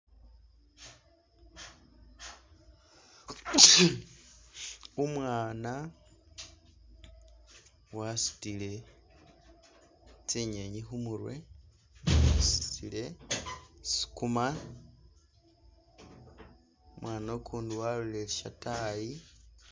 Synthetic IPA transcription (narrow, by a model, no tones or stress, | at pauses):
umwaːna | wasi̥tile̞ | t͡siɲeɲixumuɾwe̞̰ | sitile̞ | si̥kuma | umwaːnokʰuːndiwaluleliʃataji